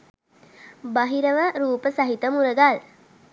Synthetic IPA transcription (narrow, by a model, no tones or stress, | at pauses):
baɦiɾəʋəɾuːpəsaɦit̪əmuɾəɡal